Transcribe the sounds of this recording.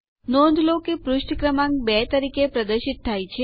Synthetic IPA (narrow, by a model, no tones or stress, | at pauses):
nɔ̃nd̪ʱlokepɾuʃʈkɾəmãŋkbɛt̪əɾikepɾəd̪əɾʃit̪ʰːajt͡ʃʰe